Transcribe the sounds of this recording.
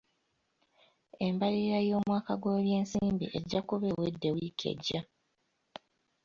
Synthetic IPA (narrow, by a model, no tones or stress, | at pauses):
embaliɾajoːmwaːkaɡwoːβje̞ːnsiːmbḭʔeɟːakuβe̞wedːe̞wiːkʰe̞̰ɟːa